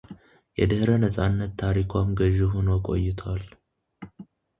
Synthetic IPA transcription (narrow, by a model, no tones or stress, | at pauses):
jɛ̰d̪əhɾənəsʼanːət̪ːʰaɾikʰwamɡəʒːɪɦonokʼo̞̰jːɪt̪ʰwal